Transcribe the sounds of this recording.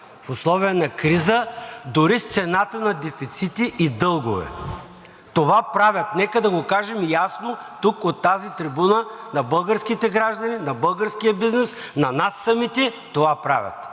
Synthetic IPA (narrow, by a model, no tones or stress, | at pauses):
fʊslˠɔvijənɐkɾizəd̪ʊɾist̪sɛnat̪ənɐd̪ɛfit̪sit̪iid̪ɤlˠɡovɛ̰ | t̪ovapɾavʲɐt̪nɛkəd̪ɐɡokaʒɛmjasnot̪ukot̪ːazit̪ɾibunənɐbɤlˠɡəɾskit̪ɛɡɾaʒd̪ɐninɐbɤlˠɡəɾskijəbiznɛs | nɐnasːɐmit̪ɛt̪ovapɾa̰vʲjɐ̰t̪